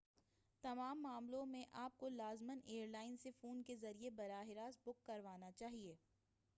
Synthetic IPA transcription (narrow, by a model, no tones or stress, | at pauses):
t̪ɐmaːmːaːmlõmẽʔaːp̚kolaːzməneːəɾlaːɪnsefuːnkezɐɾiebɐɾaːɦɪɾaːsbʊkːɐɾʋaːnat͡ʃaːɦieː